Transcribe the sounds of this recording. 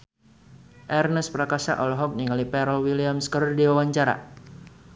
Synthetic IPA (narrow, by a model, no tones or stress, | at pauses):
ʔɛrnəspɾakasa̰ʔɔlɔɦɔk̚niŋɡalipɛɾəlwiliamskəɾɔrdiwawaɲt͡ʃaɾa̰